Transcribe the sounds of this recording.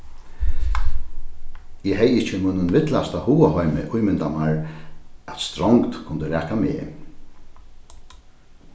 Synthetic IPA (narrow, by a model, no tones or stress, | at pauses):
ɛːɦɛjɪht͡ʃɪmʊjnənvɪt̪last̪ahuːaɦɔjmɪ̰ʔʊjmɪnt̪amaɹ | at̪st̪ɾɔŋkt̪kʰʊnd̪əɾæːkamḛː